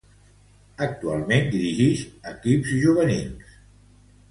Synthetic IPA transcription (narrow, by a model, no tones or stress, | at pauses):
ək̚t̪ua̰lˠmend̪iɾiʒiʃəkipzʒuβ̞ənils